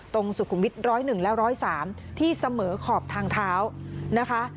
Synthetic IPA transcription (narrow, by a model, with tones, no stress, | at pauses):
t̪o˧ŋsu˨˩kʰu˩˧mwi˦˥t̪̚ɾɔː˦˥jnɯ˨˩ŋlɛ˦˥wɾɔː˦˥jsaː˩˦m | t̪ʰiː˥˩sa˧mɤː˩˦kʰɔː˨˩p̚t̪ʰaː˧ŋt̪ʰaː˦˥wna˦˥kʰa˦˥